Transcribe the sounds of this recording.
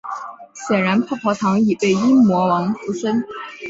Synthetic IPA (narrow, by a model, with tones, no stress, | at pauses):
ɕjɛ˨˩nɻa˧˥npʰa˥˩pʰɔ˧˥t̪ʰɑ˧˥ŋi˨˩pe˥˩ɪi˥nmwɔ˧˥wɑ˧˥ŋfu˥ʂə˥n